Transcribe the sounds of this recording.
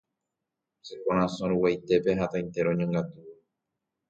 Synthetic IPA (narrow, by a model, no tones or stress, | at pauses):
sekoɾ̃ãsõɾuwajt̪e̞pe̞ɦat̪aĩnt̪e̞ɾõɲõŋɡat̪u